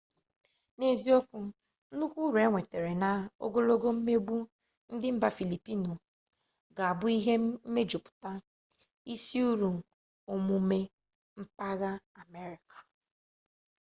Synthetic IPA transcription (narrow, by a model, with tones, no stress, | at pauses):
ne˦zi˦o˦kʊ˦ | nu˦kʷu˦ɾu˨e˦ŋʷe˨te˨ɾe˨na˨o̰˦ɡo˦lo˦ɡo˦m̩˦me˦ɡ͡bu˦ | n̩˦dɪ˦m̩˦ba˦fi˨li˨pi˦no˨ | ɡa˨a˨bʊ˦i˦ɦe˦m̩˦me˦d͡ʒu˨pʊ̥˨ta˦ | i˦si˦u˦ɾu˨ | o˦mu˦me˦ | m̩˦pa˦ɣa˦ | a˨me˦ɾɪ˨kḁ˨